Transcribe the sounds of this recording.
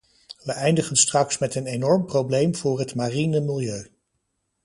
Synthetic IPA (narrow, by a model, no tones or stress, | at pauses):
ʋəʔɛjndəχənstrɑksmɛtənenɔɹmprowblejmv̥ʊːrɦətmaːrinəmɪlˠjøɥ